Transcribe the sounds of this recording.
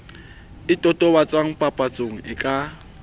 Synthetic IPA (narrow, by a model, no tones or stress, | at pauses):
ɪtʼɔtʼɔbat͡sʼwaŋ̩pʼapʼat͡sʼoŋ̩ɪkʼa